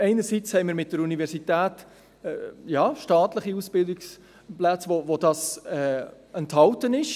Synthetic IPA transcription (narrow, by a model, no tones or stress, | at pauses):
ɛɪnəɾsit͡shɛɪmiːɾmɪt̚d̥əɾunivɛɾsitæːtː | jɑːʃtɑːtləχiusb̥ɪldɪks | plæt͡sʋovodɑsɛː | ɛnthɑltənɪʃ